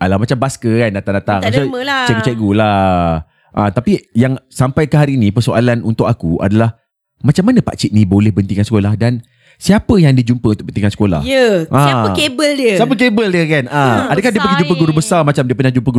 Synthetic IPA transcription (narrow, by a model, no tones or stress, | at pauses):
adalahmat͡ʃambaskəkandat̪aŋdat̪aŋsəlat͡ʃɛɡɡut͡ʃɛɡula | ʔat̪apijaŋsampajkəɦaɾiːnipərsoʔalanṵnt̪ʊkakua̰dalah | mat͡ʃamːanə̃pa̰t͡ʃit̪̚nibolɛhbənt̪iŋkansə̥kolahdan | siapəjaŋdiəd͡ʒumpəunt̪ʊk̚bəniŋkansə̥kola̰jəʔãaəkebəldiəsiap̬ək̬ebəldiəkanaadəkahdiəp̬aɡid͡ʒumpəɡuɾubəsarmat͡ʃamdiəpəɲad͡ʒumpəɡu